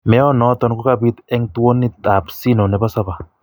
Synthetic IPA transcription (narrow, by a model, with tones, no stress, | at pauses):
mɛ˦ɔ˦nɔ˦tɔ˦nku˦ka˦˨bi˦t̪ɛ˦ŋtwo˦ni˦˨ta˨psi˦no˨nɛ˨ba˦sa˦ba˨